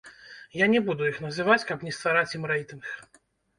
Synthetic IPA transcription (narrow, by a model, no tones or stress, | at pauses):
janʲɛbud̪ujixn̪ɐzɨvat͡sʲkɐpnʲɛst̪vaɾat͡sʲjimrɛjt̪ɨnx